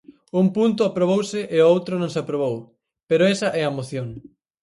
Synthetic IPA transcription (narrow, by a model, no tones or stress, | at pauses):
umpunt̪ʊapɾoβ̞owsɪʔɪowt̪ɾonõŋsapɾoβ̞ow | peɾoɛsɐʔɛɐmoθjoŋ